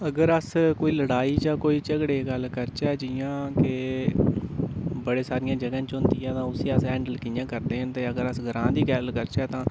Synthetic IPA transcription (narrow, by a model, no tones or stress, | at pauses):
əɡəɾəskoːiːləɽaːiːt͡ʃãːkoːiːt͡ʃəɡɽeːɡəlkəɾt͡ʃɛːd͡ʒɪjãːkɪ | bəɽeːsaːɾɪjãːd͡ʒəɡãːt͡ʃʊ̃nt̪iːɛːt̪ãːʊsĩːəsɦɛ̃ːɳɖəlkɪjãːkəɾd̪eːɦə̃nt̪eːəɡəɾəsɡʱəɾãːd̪iːkɛːlkəɾt͡ʃɛːt̪ãː